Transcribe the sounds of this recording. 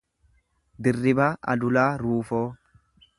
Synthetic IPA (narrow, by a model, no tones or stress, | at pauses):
d̪ɪrːɪbaːʔɐ̰d̪ʊlaːɾuːfoː